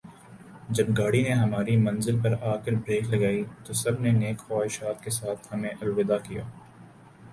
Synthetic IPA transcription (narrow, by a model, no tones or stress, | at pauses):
d͡ʒɐbɡaːɽineɦɐmaːɾimɐ̃nzɪlpɐɾaːxɪɾbɾeːklɐɡaːit̪osɐbneneːkxaːɪʃaːt̪kesaːt̪ʰhɐmẽʔɐlwɪd̪akija̰ː